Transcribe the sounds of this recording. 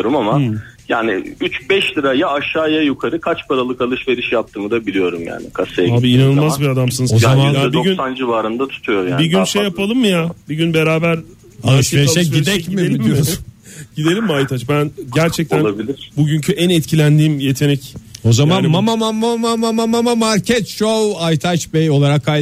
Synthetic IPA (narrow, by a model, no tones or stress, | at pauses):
ɾumamajaːnɪ̰yt͡ʃbɛʃlʲiɾajaaʃaːjajukʰaɾɯkʰat͡ʃpʰaɾalˠɯkalˠɯʃve̞ɾiʃjap̚t̪ʰɯːmɯd̪abilʲijo̞ɾumja̰ːnɪ̰kʰasejaaːbiinanɯlˠmazbiɾad̪amsɯnɯzozamaabiɟynsand͡ʒivaːɾɯnd̪at̪ʰu̥t̪ʰujoɾjaabiɟynʃejapalˠɯmːɯjabiɟynbe̞ɾaːbæɾ | alˠɯʃveɾʃɛɟid̪ɛcmelʲimijoɾsɟ̥id̪e̞lʲimːajt̪ʰat͡ʃbænɟæɾt͡ʃʰɛc̚t̪ʰænˠabilʲiɾ̥buɟyɲcʰyʔænɛt̪cʰilʲænd̪iːmje̞t̪ʰe̞nɛco̞zamanmamamamamamamamamamaɾcʰɛt̪ʃowajt̪ʰat͡ʃbɛjo̞lˠaɾakʰːaj